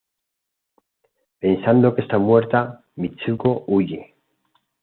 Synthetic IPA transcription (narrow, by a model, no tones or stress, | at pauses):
pe̞nsand̪okest̪amwe̞ɾt̪a | mit͡ʃukouʝe